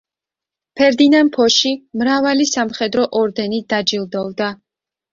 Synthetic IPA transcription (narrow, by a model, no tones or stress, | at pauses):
pʰɛɾd̪inampʰɔʃimɾavalisamχɛd̪ɾɔʔɔɾd̪ɛnid̪ad͡ʒilˠd̪ɔvd̪a